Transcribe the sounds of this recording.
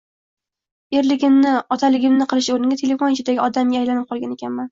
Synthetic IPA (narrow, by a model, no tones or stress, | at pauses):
e̞ɾlɪɡʲɪmnɪɒt̪ʰalɪɡʲɪmnɪqʰɨlˠɪʃoɾɪnɪɡʲat̪ʰe̞le̞font͡ʃʊd̪aɡʲɪɒd̪amɡʲaajlanɪp̚qʰɒlˠɡʲane̞kʲanman